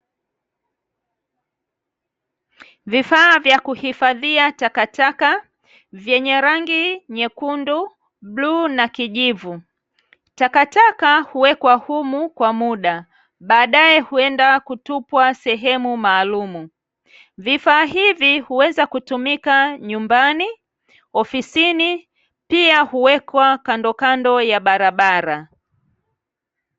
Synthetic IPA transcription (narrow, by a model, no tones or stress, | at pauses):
vifaːvjakuhifaðiatakataka | vjɛɲɛɾaŋɡiɲɛkundu | ɓluːnakiʄivu | takatakahuwɛkwahumukwamuɗa | ɓaːɗaɛhuɛndakutupwasɛɦɛmumaːlumu | vifaːhivihuwɛzakutumikaɲumbani | ɔfisini | piahuwɛkwakandɔkandɔjaɓaɾaɓaɾa